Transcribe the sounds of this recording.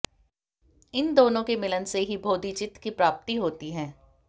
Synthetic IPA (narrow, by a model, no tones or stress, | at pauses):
ɪnd̪oːnõkemɪlənseɦibʱoːd̪it͡ʃɪt̪kipɾaːp̚t̪iɦoːt̪iɦɛ̃ː